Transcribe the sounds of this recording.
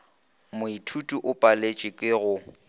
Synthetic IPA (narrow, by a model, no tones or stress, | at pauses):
mʊitʰutʼuʔʊpʼalet͡ʃʼɪkʼɪɣʊ